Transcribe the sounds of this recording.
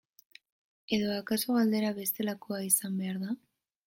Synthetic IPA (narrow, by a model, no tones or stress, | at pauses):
e̞ðo̞akasoɣald̪e̞ɾaβe̞st̪e̞lako̞aisambe̞aɾða